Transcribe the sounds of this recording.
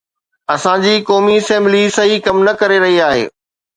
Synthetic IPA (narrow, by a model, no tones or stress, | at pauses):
ɐsãd͡ʑiːkɔːmiɪsɛ̃ːmblisɐɦikɐmnɐkɐɾeɾɐɦiaːɦḛː